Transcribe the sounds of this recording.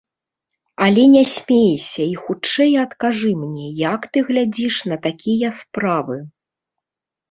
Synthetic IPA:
ɐlʲɛnʲɛsʲmʲejsʲɐixut͡ʂɛjɐt̪kaʐɨmnʲɛjɐkt̪ɨɣlʲad͡zʲiʂnɐt̪akʲʰijɐspɾavɨ

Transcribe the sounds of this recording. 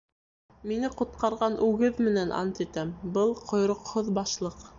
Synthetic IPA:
minɘqŏt̪̚qɑɾʁɑnʔʉɡɘðmɘ̆nænʔɑ̰nt̪it̪æmbɤlˠqʰŏjɾŏqhoðbɑʃlˠɤq

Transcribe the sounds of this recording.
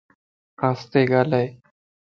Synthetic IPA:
ast̪eɡaːlaj

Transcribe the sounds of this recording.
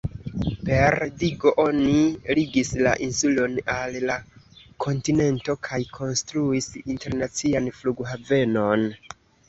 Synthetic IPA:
pe̞ɾdiɡo̞ʔo̞niliɡisla̰ʔinsulo̞nalla | kʰo̞ntine̞nto̞kʰajkʰo̞nstɾuisinte̞ɾnat͡sianfluɡɦave̞no̞n

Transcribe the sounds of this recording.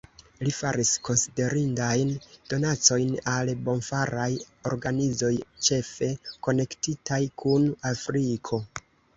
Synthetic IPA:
lifaɾisko̞nside̞ɾindajnd̥o̞nat͡so̞jnalbo̞nfaɾaj | o̞̰ɾɡanizo̞jt͡ʃe̞fe̞ko̞ne̞ktitajkʰunafɾikʰo̞

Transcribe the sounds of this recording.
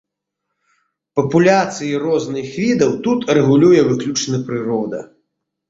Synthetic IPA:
pɐpulʲat̪sɨjirɔznɨxvʲid̪ɐwt̪ut̪rɛɣulʲujɛvɨklʲut͡ʂnɨpɾɨɾɔd̪ɐ̰

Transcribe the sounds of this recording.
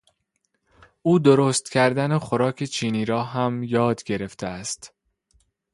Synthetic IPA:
ʔuːd̪o̞ɾoːst̪cʰæɾd̪ænexoɾɒːkʰet͡ʃʰiːniːɾɒːɦæmjɒːd̪ɟe̞ɾe̞ft̪ʰeæst̪

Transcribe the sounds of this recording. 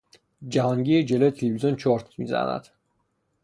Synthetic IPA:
d͡ʒæhɒːŋɟijed͡ʒelojet̪ʰelevizont͡ʃʰɒɾt̪ʰmḭːzæ̰næ̰d̪̥

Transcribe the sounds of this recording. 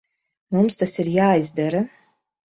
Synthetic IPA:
mumst̪asiɾjaːizd̪aɾa

